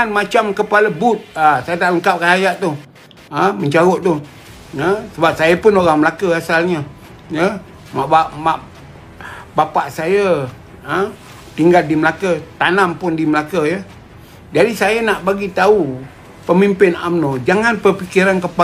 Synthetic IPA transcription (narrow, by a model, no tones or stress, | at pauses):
anmat͡ʃamkəpaləbʊt̪̚asajət̪aʔləŋkap̚kanajaʔt̪ʊh | əməɲt͡ʃaɣɔʔt̪ʊh | jəsəbap̚sajəpʊnoɾaŋməlakəasalɲə | jə | maʔbamaʔ | bapaʔsajə | ə | t̪iŋɡaldiməlakət̪anampʊndiməlakəjə | d͡ʒadisajənaʔbaɡit̪au | pəmimpɪna̰mnod͡ʒaŋanpərpikiɾankəpa